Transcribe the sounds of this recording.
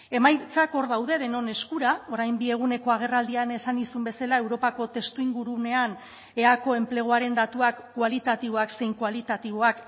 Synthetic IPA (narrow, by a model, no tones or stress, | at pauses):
e̞majt͡sako̞ɾðawðe̞ðe̞no̞ne̞skuɾao̞ɾajmbie̞ɣ̞une̞ko̞aɣ̞e̞rald̪iane̞sanisumbe̞salae̞wɾo̞pako̞t̪e̞st̪uiŋɡuɾune̞an | e̞ako̞e̞mple̞ɣ̞oaɾe̞nd̪at̪uakːwalit̪at̪iβ̞o̞akse̞jŋkwalit̪at̪iβ̞oak